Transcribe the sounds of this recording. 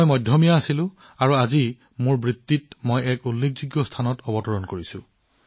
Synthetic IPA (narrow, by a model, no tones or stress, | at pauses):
jmɔjdʱjɔmijaːsilʊ̃ | aɹuazi | mʊɹbɹit̪ːitmojɛkulːek̚zuɡjɔstʰanɔtɔbɔtɔɹɔnkoɹisʊ̃